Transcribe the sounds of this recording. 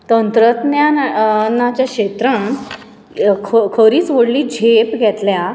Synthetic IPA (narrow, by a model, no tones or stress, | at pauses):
t̪ənt̪ɾət̪njanat͡ɕjakɕet̪ɾəɳ | kʰkʰəɾiːt͡sʋəɽliːd͡ʑʱepɡʱɛt̪lja